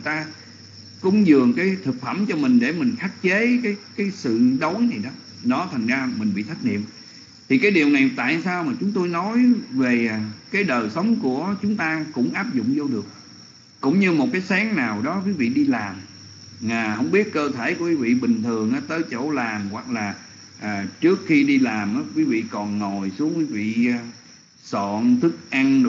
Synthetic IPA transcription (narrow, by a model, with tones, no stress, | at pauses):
jt̪aː˧ | kʊ̰˧˥ŋ͡mzɨ˨˩əŋkaː˨˦jt̪ʰɨ˨˩k̚fə˧˩mt͡ɕɔ˧mï˨˩ŋ̟ɗe˧˩mï˨˩ŋ̟xa˦˥k̚t͡ɕe˨˦kaː˨˦jkaː˨˦jsɨ̰˧˨ɗo˨˦jna˨˩jɗɔ˨˦ | ɗɔ˨˦t̪ʰa˨˩ŋzaː˧mï˨˩ŋ̟ɓḭ˧˨t̪ʰa˦˥jk̟̚ŋḭ˧˨m | t̪ʰi˨˩kaː˨˦jɗi˨˩əwna˨˩jt̪a̰ː˧˨jsaː˧wmaː˨˩t͡ɕʊ˨˦ŋ͡mt̪o˧jnɔ˨˦jve˨˩kaː˨˦jɗəː˨˩jsə˨˦wŋ͡mku˧˩ət͡ɕʊ˨˦ŋ͡mt̪aː˧kʊ̰˧˥ŋ͡mʔaː˦˥p̚zʊ̰˧˨ŋ͡mzo˧ɗɨ˨˩ək̚ | kʊ̰˧˥ŋ͡mɲɨ˧mo˨˩t̚kaː˨˦jsaː˨˦ŋnaː˨˩wɗɔ˨˦kwi˨˦vḭ˧˨ɗi˧laː˨˩m | maː˨˩hə˧wŋ͡mɓi˦˥ət̚kəː˧t̪ʰe˧˩ku˧˩əwi˨˦vḭ˧˨ɓï˨˩ŋ̟t̪ʰɨ˨˩ə˩ŋʔaː˨˦t̪əː˨˦jt͡ɕo̰˧˩laː˨˩mɣwa˨˩k̚laː˨˩ | ʔːt͡ɕɨ˦˥əkxi˧ɗi˧laː˨˩mʔaː˨˦kwi˨˦vḭ˧˨kɔ˨˩nŋo˨˩jsu˨˦əŋkwi˨˦vḭ˧˨ | sɔ̰˧˨nt̪ʰɨ˦˥k̚ʔa˧ŋ